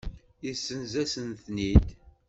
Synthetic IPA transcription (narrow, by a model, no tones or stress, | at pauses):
isːənzæsənθnid̪